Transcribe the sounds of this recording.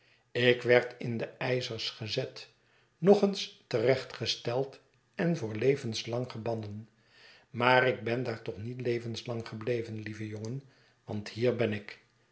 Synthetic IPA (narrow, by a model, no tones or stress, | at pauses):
ɪkʋɛɹtɪndəɛjzəɹsχəzɛt | nɔχənstərɛχtχəstɛlˠt | ɛnvʊːɹlejvənslɑŋχəɹbɑndən | maːɾɪɡ̚bɛndaːɹtɔχnitlejvənslɑŋχəblejvənlivəjoŋən | ʋɑnthiːɹbɛnɪk